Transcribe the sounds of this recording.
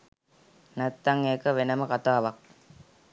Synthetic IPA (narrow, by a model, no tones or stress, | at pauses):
næt̪ːaŋeːkəʋenəməkat̪aːʋak̚